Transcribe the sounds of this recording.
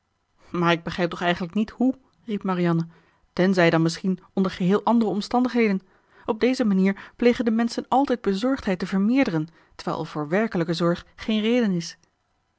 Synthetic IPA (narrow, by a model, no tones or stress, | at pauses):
maːɹɪɡ̚bəχrɛjp̚tɔχɛjχənləknithu | ripmarijɑnə | tɛnzɛjdɑnmɪsχin | ɔndəɹχəɦɪːlˠʔɑndərəɔmstɑndəχɦejdən | ɔb̚dejzəmaniːɹplejχəndəmɛnsənɑlˠtɛjd̚bəzɔɹχtɦɛjtəvəɹmɪːɹdərən | tə̥ɹʋɛ̰jlˠvʊːɹʋɛɹkələkəzɔɹχχejnrejdənɪs